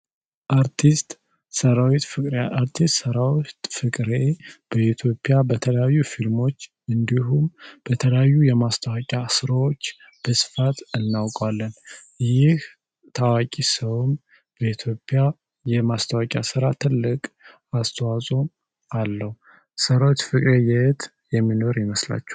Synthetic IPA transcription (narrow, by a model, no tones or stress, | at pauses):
ʔaɾt̪ʰist̪ | səɾawit̪fɨɾaɾt̪ʰist̪ʼsəɾawt̪fɨkʼɾeb̥əit̪ʰjo̞pʼːjabət̪ʰələjajːufilmo̞t͡ʃː | ɨnd̪iɦumb̥ət̪ʰələjajːujɛmast̪ʰawakʼjasɨɾawo̞t͡ʃː | b̥əsɨ̥fat̪ɨnːawkʼalːən | jɪh | t̪ʰawakʼisəwm | bəit̪ʰjo̞pʼːja | jɛmast̪ʰawakʼjasɨɾat̪ʰɨlːɨkʼ | ast̪ʰəwasʼom | ʔalːəhu | səɾawot͡ʃ̪fɨkʼɾejɛt̪ | jɛmːino̞ɾjɛməsla̰t͡ʃːɛ̥